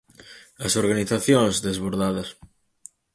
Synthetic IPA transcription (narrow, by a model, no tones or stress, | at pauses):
asoɾɣaniθaθjõŋzðezβoɾðaðɐs